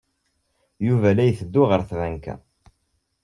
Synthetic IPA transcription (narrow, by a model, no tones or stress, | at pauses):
juvælæjθəd̪ːuʁəɾθvænkæ̰